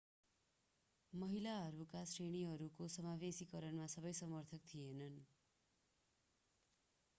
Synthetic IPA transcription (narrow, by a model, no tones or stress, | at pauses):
mʌɦilaɦʌɾukasreɽ̃iɦʌɾukosʌmabesikʌɾʌnmasʌbʌjsʌmʌrt̪ʰʌk̚t̪ʰienʌn